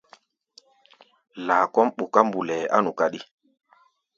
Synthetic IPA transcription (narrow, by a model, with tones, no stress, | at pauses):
la˨kɔ˦mɓu˨ka˦m˦bu˨lɛ˨a̰˦nu˨ka˦ɗi˦